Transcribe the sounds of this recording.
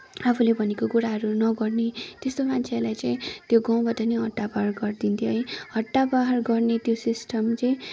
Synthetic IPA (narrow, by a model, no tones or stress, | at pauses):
apʰulebʱʌnekokuɾaɦʌɾunʌɡʌrnet̪est̪omant͡sʰelajt͡saĩt̪joɡãw̃baʈaniɦʌʈːabaɦrɡʌrd̪int̪ʰjoɦʌ̃jhʌʈːabaɦarɡʌrnet̪josisʈʰʌmt͡saĩ